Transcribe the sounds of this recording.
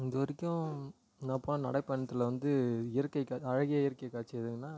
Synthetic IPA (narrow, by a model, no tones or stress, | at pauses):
ɪnd̪ɯʋɐɾɪkʲːʊ̃ | nãːpoːnɐ̃nɐɽɐɪpːɐɳːɐt̪ːɯlɐʋɐnd̪ɯɪjɐɾɯkːɐɪkːaːɐɻɐɣɪjaɪjɐɾɯkːɐkːaːt͡ʃːɪɐðɯŋɡɐnːaː